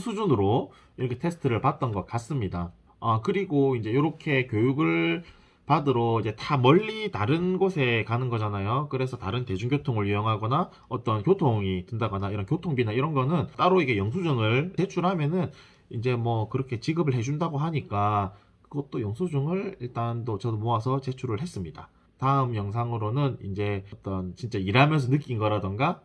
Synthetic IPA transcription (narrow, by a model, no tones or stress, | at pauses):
sʰud͡ʑunɯɾo | iɾʌkʰe̞tʰe̞sʰɯ̥tʰɯɾɯɭpat̚t͈ʌnɡʌt̚k͈as͈ɯmɲida | akɯɾiɡoind͡ʑe̞joɾʌkʰe̞kjojuɡɯɭ | padɯɾoid͡ʑe̞tamʌʎːitaɾɯnɡosʰe̞kanɯnɡʌd͡ʑanajokɯɾe̞sʰʌtaɾɯnte̞d͡ʑuŋɡjotʰoŋɯɭjujʌŋɦaɡʌna | ʌt͈ʌnkjotʰoŋitɯndaɡʌnaiɾʌnkjotʰoŋbinaiɾʌnɡʌnɯnt͈aɾoiɡe̞jʌŋs̬ʰud͡ʑuŋɯɭt͡ɕe̞t͡ɕʰuɭhamjʌnɯn | ind͡ʑe̞mwʌkɯɾʌkʰe̞t͡ɕiɡɯbɯɭɦe̞d͡ʑundaɡoɦaɲik͈a | kɯɡʌt̚t͈ojʌŋsʰud͡ʑuŋɯɭiɭt͈andot͡ɕʌdomoasʰʌt͡ɕe̞t͡ɕʰuɾɯɭɦe̞s͈ɯmɲida | taɯmjʌŋs̬ʰaŋɯɾonɯnind͡ʑe̞t͈ʌnt͡ɕint͡ɕ͈aiɾɦamjʌnsʰʌnɯk͈inɡʌɾadɯnɡa